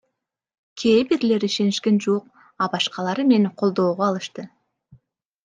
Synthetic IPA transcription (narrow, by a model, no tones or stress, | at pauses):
kʲʰejɪpeɾɪle̞ɾɪʃe̞nɪʃkʲe̞nʒuoq̚ | ɑbɑʃqɑlˠɑɾəme̞ɴqʰo̞lˠd̪o̞wʁoɑlˠəʃt̪ə